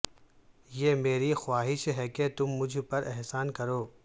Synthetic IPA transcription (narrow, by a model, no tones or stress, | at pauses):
jeːmeːɾixwaːɦɪʃɦɛket̪ʊmːʊd͡ʒʱpɐɾɛɦsaːnkɐɾoː